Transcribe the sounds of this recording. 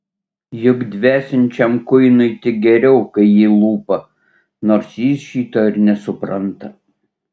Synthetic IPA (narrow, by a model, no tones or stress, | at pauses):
jʊɡd̪ʲʋʲæːsʲɪnʲt͡ʃʲɛmkʊɪnʊɪt̪ʲɪk̚ɡʲɛɾʲɛʊkɐɪjɪːlˠuːpɐ | noːɾsjiːsʃʲiːt̪oɪɾnʲɛsʊpɾɐnt̪ɐ